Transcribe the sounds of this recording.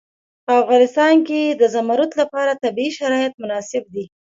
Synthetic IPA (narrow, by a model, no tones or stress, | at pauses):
pəafɣɑnɪst̪ɑnked̪əzamaɾut̪lapɑɾat̪abiiʃaɾɑjat̪̚mʊnɑsɪb̚d̪i